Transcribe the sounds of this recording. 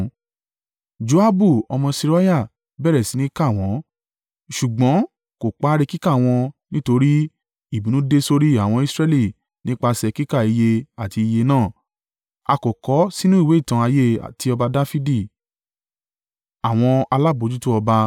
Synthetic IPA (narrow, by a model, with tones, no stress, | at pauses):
d͡ʒo˧a˦bu˦˨ɔ˧mɔ̃˧si˧ɾa˦ja˦˨ | bɛ˦˨ɾɛ˨si˨˦nĩ˦ka˦˨w̃ɔ̃˨˦ | ʃu˨ɡ͡bɔ̃˨˦ | ko˨k͡pa˦ɾe˧ki˦ka˦˨w̃ɔ̃˧nĩ˦to˧ɾi˦ | i˦˨bĩ˨˦nũ˦de˦so˧ɾi˦a˨w̃ɔ̃˧i˧˦sɾɛ˦˧li˦˨ | nĩ˦k͡pa˧sɛ˧ki˦ka˦˨i˧je˧a˨ti˧i˧je˧nãː˦˨ | a˧ko˨kɔ˨˦si˦nũ˦i˦˨we˨˦i˦˨tã˧a˧je˦a̰˨ti˧ɔ˧ba˧da˦fi˦di˦˨ | a˨w̃ɔ̃˧a˧la˦˨bo˨˦d͡ʒu˦tu˦ɔ˧ba˧